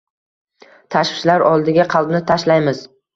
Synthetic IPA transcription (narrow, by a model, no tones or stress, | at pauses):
t̪ʰaʃwɪʃlaɾɒlˠd̪ɪɡʲaqʰɑlˠbnɪt̪ʰaʃlajmɪz̥